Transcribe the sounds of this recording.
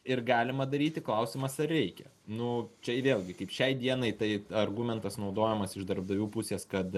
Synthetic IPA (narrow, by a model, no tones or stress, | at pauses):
ɪrɡɑːlʲɪmɐd̪ɐɾʲiːt̪ʲɪklˠɐʊsʲɪmɐsɐrɾʲɛɪkʲɛ̰ | nʊt͡ʃʲɛʋʲeːlʲˠɡʲɪkɐɪpʃʲɛɪd̪ʲiɛnɐɪt̪ɐɪɐrɡumʲɛnt̪ɐsnɐʊd̪oːjɛmɐsɪʒd̪ɐrb̚d̪ɐʋʲuːpʊsʲeːskɐt̪